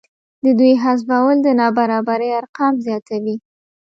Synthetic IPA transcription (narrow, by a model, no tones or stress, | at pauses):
d̪əd̪ujɦas̬bawəld̪ənɑbaɾɑbaɾəjaɾqɑmzjɑt̪awi